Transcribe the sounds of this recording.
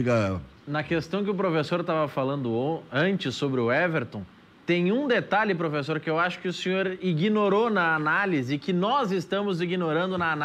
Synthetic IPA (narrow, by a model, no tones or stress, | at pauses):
iɡa | nɐkest̪ɐ̃w̃k̬ɪʊp̬ɾofesoɾt̪avɐfalɐ̃nd̪ʊɐ̃nt͡ʃɪsːobɾɪʊɛveɾt̪õ | t̪ẽj̃ũd̪et̪alɪpɾofesoɾkɪewaʃʊ̥kɪʊsẽɲoɾiɡinoɾonɐanalizɪːkɪnɔzɪst̪ɐ̃mʊziɡinoɾɐ̃nd̪ʊnɐana